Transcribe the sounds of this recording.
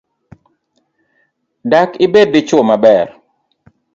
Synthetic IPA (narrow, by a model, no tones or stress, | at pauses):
dakɪbed̚ːɪt͡ʃɔmabɛr